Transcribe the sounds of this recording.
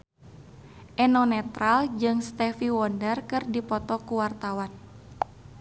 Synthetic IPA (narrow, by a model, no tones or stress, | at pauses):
ʔɛnɔnɛt̪ɾald͡ʒɨŋst̪ɛfiwɔndərkɨrdipɔt̪ɔkuwart̪awan